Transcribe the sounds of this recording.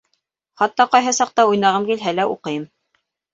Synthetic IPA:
χɑt̪ːɑqɑjɦɤsɑq̚t̪ɑujnɑʁɤmkilɦælæuqɤ̆jɤm

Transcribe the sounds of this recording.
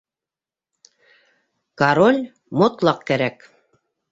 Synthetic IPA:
kaɾolʲ | mŏt̪lˠɑq̚kæɾæk

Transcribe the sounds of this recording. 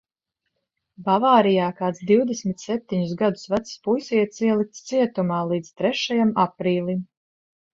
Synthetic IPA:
bavaːɾijaːkaːt̪sd̪iwd̪ɛsmit̪sɛp̚t̪iɲʊsɡad̪ʊ̥svat̪sspujsiɛt̪siɛlˠik̚t̪st̪siɛt̪umaːlˠiːd̪zt̪ɾɛʃajamapɾiːlˠim

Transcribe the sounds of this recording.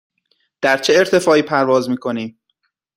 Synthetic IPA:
d̪̥æɾt͡ʃʰeeɾt̪ʰe̞fɒːiːpʰæɾvɒːzmiːkʰo̞niːm

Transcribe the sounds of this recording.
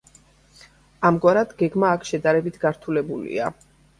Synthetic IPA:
amɡwaɾad̪ɡɛɡmaːkʰʃɛd̪aɾɛbit̪ʰɡaɾt̪ʰulɛbulḭa̰

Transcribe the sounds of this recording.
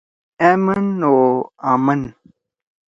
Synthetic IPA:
emənoamən

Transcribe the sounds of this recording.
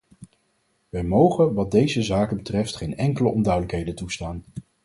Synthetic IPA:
ʋɛjmowχənʋɑd̚dejzəzaːkənbətrɛftχejnɛŋkələʔɔndœɥdələkɦejdəntustaːn

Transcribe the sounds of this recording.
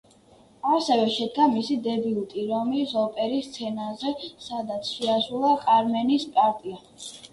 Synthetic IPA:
asɛvɛʃɛd̪ɡamisid̪ɛbiut̪ʼiɾɔmisɔpʼɛɾist̪sʰɛnazɛsad̪at̪sʰʃiasulˠakʼaɾmɛnispʼaɾt̪ʼia

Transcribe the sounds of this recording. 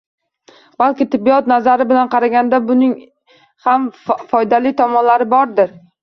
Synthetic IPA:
b̥alˠkʲɪt̪ʰɪbːiɒt̪nazaɾɪbɪlanqʰɑɾaɡʲand̪abʊnɪŋ | hamfɒjd̪alɪt̪ʰɒmɒnlaɾɪbɒɾd̪ɪɾ

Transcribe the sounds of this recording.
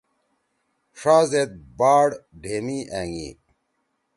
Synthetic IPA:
ʂaːzet̪̚baːɽɖʱeːmiːʔæːŋḭː

